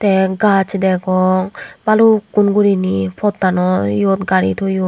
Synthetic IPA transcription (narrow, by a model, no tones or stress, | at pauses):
t̪ɛɡat͡ʃʰid̪ɛɡɔŋbaluɡunɡuɾinipʰɔt̪̚ːanɔjɔt̪̚ɡaɾḭt̪ʰuju